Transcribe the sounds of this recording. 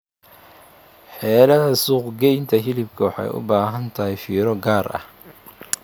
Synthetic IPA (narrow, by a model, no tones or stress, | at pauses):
ħɛːlɐðɐsuːqɡɛjnt̪ʰɐɦɪlɪbkʰɐwɑħɑ̰jʊ̰baːɦɐnt̪ʰɐɦɛjfiːɾɔɡaːrʔɐ̰h